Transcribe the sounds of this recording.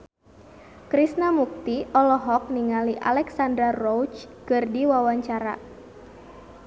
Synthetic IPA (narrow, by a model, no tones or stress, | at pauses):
kɾisnamuk̚t̪iʔɔlɔɦɔk̚niŋaliʔa̰lɛksandɾarɔwt͡ʃkɨrdiwawaɲt͡ʃaɾa̰